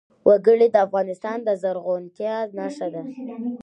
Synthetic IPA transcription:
wʔaɡəɽed̪əafɣɑnɪst̪ɑnd̪əzaɾɣont̪jɑnɑʂad̪a

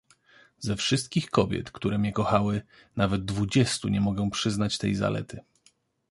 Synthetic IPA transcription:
zɛfʂɘst̪kʲixkɔbʲjɛ̰t̪kt̪uɾɛmɲɛkɔxawɘ | navɛd̪̚ːvud͡ʑɛst̪uɲɛmɔɡɛw̃pʂɘznat͡ɕt̪ɛjza̰lɛ̰t̪ʰɘ

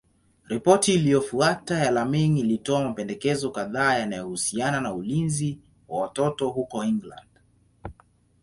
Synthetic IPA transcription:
ɾipɔtiːlijɔfuatajalamiŋilitɔamapɛndɛkɛzɔkaðaːjanajɔhusiananaulinzi | wawatɔtɔhukɔiŋɡla̰nd̥

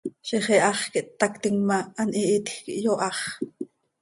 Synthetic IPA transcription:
ʃiχeʔɑχkiʔt̪ːɑkt̪iŋmaːnʔiʔit̪xkiʔjoʔɑχ

